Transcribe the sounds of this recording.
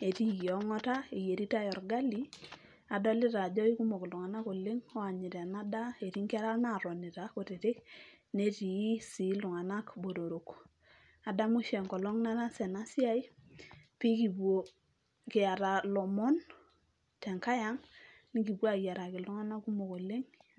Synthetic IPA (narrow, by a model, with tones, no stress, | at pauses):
e˨ti˦jɔ˨ŋɔ˦ta˦e˨je˨ɾi˦ta˦jɔ˨ɾɡa˦li˦ | a˨dɔ˦lɪ˦ta˨d͡ʒɔ˦i˦ku˦mo˨klu˨ŋa˨na˦ko˨lɪ˦ŋɔ˦a˨ɲɪ˨tɛ˨na˦da˦e˨ti˦ŋki˦a˦ɾa˦na˦˨ɾɔ˨ni˨ta˨ko˨te˨tɪ˦kne˦ti˨ji˦si˨˦lʊ˨ŋa˨na˦kbo˨ɾo˨ɾo˨k | a˨da˦mʊ˦ʃɛ˨ŋkɔ˨lɔ˦ŋna˦na˦sɛ˨na˦si˦a˦j | pi˦ki˨bwo˨ | kɪ˨a˨ɾa˨lɔ˨mɔ˦n | tɛ˨ŋka˦ja˦ŋ | ni˦ki˨bwa˦˨ja˨ɾa˨kɪ˨lʊ˦ŋa˦na˦ku˦mo˨ko˨lɪ˦ŋ